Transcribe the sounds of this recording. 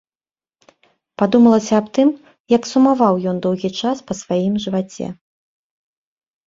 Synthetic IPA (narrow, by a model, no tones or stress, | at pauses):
pad̪umɐlˠɐsʲɐːpt̪ɨm | jɐksumavawjɔnd̪ɔwɣʲit͡ʂaspɐsvajimʐɨvat͡sʲɛ̰